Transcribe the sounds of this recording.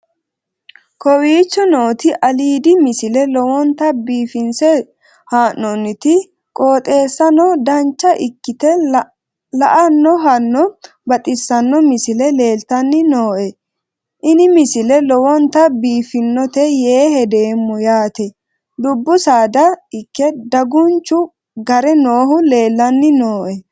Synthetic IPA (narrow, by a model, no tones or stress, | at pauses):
kʰɔwiːt͡ʃːɔno̞ːt̪ɪʔɐliːd̪ɪmɪsɪlɛlɔwɔnt̪ɐbiːfɪnsɛ | haːnːɔnːɪt̪ɪ | kʼoːt̪ʼe̞ːsːɐnɔd̪ɐnt͡ʃːɐʔɪkːɪt̪ɛ | lɐʔɐnːɔɦɐnːɔ | bɐt̪ʼɪsːɐnːɔmɪsɪlɛle̞ːlt̪ɐnːɪnoːʔɛ | ʔɪnɪmɪsɪlɛlɔwɔnt̪ɐbiːfɪnːɔt̪ɛjeːhɛd̪e̞ːmːʊjaːt̪ɛ | d̪ʊbːʊsaːd̪ɐɪkːɛd̪ɐɡʊnt͡ʃːʊ | ɡɐɾɛnoːɦʊle̞ːlːɐnːɪnoːʔɛ